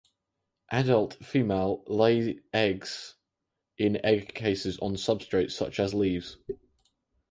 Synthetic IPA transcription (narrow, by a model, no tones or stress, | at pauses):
ʔadəlˠtfiːmeɪlˠleɪɛɡz̥ | ʔɪ̃nɛɡkʰeɪsɪzn̩sʌb̥stɹ̥eɪtsʌ̰t͡ʃəzliːvz̥